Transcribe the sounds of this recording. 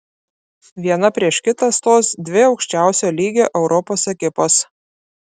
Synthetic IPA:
ʋʲiɛnɐpʲɾʲiɛʃkʲɪt̪ɑst̪oːsd̪ʲʋʲɪɒʊkʃʲt͡ʃʲæˑʊsʲoːlʲiːɡʲoːʔɛʊɾʔɔpoːsɐkʲɪpoːs

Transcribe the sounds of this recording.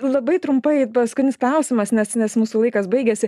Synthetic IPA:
lˠɐbɐɪt̪ɾʊmpɐɪpɐskʊt̪ʲnʲɪsklˠɐʊsʲɪmɐsnʲɛsnʲɛsmuːsuːlˠɐɪkɐsbɐɪɡʲɛsʲɪ

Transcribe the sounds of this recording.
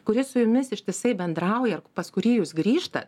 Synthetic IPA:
kʊɾʲɪsʊjʊmʲɪsɪʃʲt̪ʲɪsɐɪbʲɛnd̪ɾɐʊjɛrpɐskʊɾʲiːjuːsɡɾʲiːʃt̪ɐt̪

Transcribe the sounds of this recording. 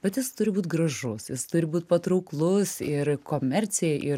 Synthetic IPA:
bʲɛt̪jɪst̪ʊɾʲɪbuːt̪ʲɡrɐʒʊsjɪst̪ʊɾʲɪbuːt̪̚ʲpɐt̪ɾɐʊklˠʊsɪrkoːmʲɛrʲt͡s̪ʲeʔɪ

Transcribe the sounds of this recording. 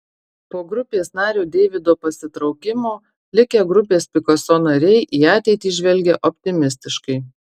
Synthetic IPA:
poːɡɾʊpʲeːsnɑːɾʲuːd̪ʲeːʋʲɪd̪oːpɐsʲɪt̪ɾɒʊkʲɪmoː | lʲɪkʲɛɡɾʊpʲeːspʲɪkosonɐɾʲɛɪʔiːɑːt̪ʲɛɪt̪ʲiːʒʲʋʲɛlʲɡʲɛʔɔpʲt̪ʲɪmʲɪsʲt̪ʲɪʃkɐɪ

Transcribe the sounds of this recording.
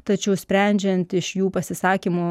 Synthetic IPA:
t̪ɐt͡ʃʲɛʊsʲpʲɾʲɛnʲd͡ʒʲɛnt̪ɪʃjuːpɐsʲɪsɑːkʲimʊ

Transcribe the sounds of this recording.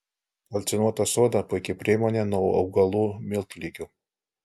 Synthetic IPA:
ɐlʲt̪sʲɪnuɔt̪ɐsoːd̪ɐpʊjkʲepʲɾʲimoːnʲenuɐ̰ʊɡɐlˠuːmʲɪlˠt̪ʊlʲiːkʲu

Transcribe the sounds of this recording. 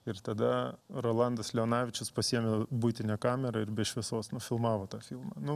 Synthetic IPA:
ɪɾt̪ɐd̪ɐɾoːlˠɐnd̪ɐslʲɛoːnɑːʋʲɪt͡ʃʲʊspɐsʲiɛmʲebuɪt̪ʲɪnʲɛːkɑːmʲɛɾɐɪɾbʲɛʃʲʋʲɛsoːsnʊfʲɪlˠmɑːʋoːt̪ɑːfʲilˠmɑːnʊ

